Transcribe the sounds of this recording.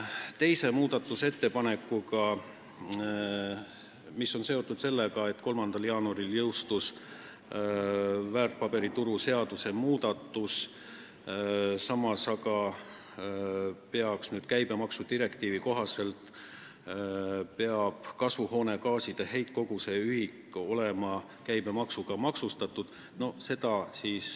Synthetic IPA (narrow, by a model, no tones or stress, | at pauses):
t̪e̞jse̞muːd̪̥ɑt̪ːˑuset̪ːe̞pɑne̞kːˑuɡɑ | misːo̞nse̞o̞t̪ːˑud̪̥se̞lːeɡɑe̞t̪ːko̞lmɑnd̪̥ɑljɑːnuɑɾiljɤwst̪us | væːrt̪̚pɑbe̞ɾit̪uɾuse̞ɑd̪̥use̞muːd̪̥ɑt̪ːˑus | sɑmɑsɑɡɑ | pe̞ɑksnyːd̪̥̚kæjb̥e̞mɑksud̪iɾe̞kt̪iːviko̞ɦɑse̞lt̪ | pe̞ɑb̥kɑsvuho̞ːne̞ɡɑːsid̪̥eɦe̞jt̪̚ˑko̞ɡ̥use̞yhiko̞le̞mɑ | kæjb̥e̞mɑksuɡ̥ɑmɑksust̪ɑt̪ːˑud̪̥ | no̞se̞d̪̥ɑsiːs